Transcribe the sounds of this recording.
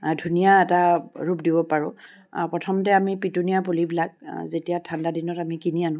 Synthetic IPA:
dʱunijaɛtaɹup̚dibɔpaɹʊ̰̃ | pɹɔtʰɔmtɛamipitunijapulibilak̚zetijatʰandadinɔtamikinianʊ̃

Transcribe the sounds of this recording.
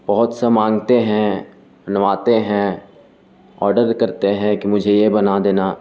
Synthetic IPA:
bɐɦʊt̪sɐmãːŋɡt̪eɦɛ̃ | bɐnʋaːt̪eɦɛ̃ | ɔ̰ːɾɖəɾkɐɾt̪eɦɛ̃kimʊd͡ʒʱejebɐnad̪eːnaː

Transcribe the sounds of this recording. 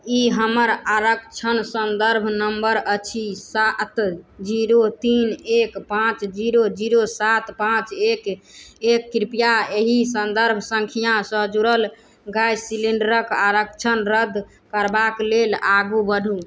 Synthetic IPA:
iɦəməɾaɾəkt͡ʃʰənsənd̪əɾbʱnəmbəɾət͡ʃʰisat̪d͡ʒiɾot̪inekpãt͡ʃd͡ʒiɾod͡ʒiɾosat̪pãt͡ʃekekːɾipjaeɦisənd̪əɾbʱsəŋkʰijãsəd͡ʒuɾəl | ɡajsiliɳɖəɾəkaɾəkt͡ʃʰənɾəd̪ʱ | kəɾbaklelaɡubəɖ̤ʱu

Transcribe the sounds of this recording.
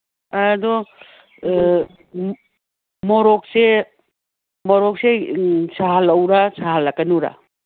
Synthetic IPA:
adɔ | mɔɾɔk̚se | mɔɾɔk̚sesaɦalawɾasaɦalakɐnuɾa̰

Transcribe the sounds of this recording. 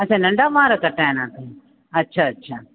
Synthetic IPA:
ɐt͡ʃʰaːnɐ̃ɳɖaːʋãːɾakɐʈːaːenãːt̪ʰẽ | ɐtːʃʰaːɐtːʃʰaː

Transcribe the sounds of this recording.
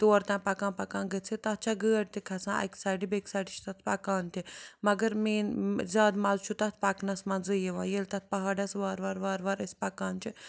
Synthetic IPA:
t̪oːɾt̪ãːpɐkãːnpɐkãːɡət͡sʰit̪ɐt̪̚t͡ʃʰaɡəːɐɽt̪ikʰɐsãːʔɐ̰ksaːɖibeksaːɖit͡ʃʰt̪ɐt̪ʰpɐkaːnt̪imɐɡɐɾmiːnzʲaːd̪mɐzt͡ʃʰut̪ɐt̪̚ʰpɐknɐsmɐnd͡zɨjeʋãːjelt̪ɐt̪̚ʰpɐɦaːɖɐsʋaːɾʋaːɾʋaːɾʋaɾɐsʲpɐkaːnt͡ʃʰi

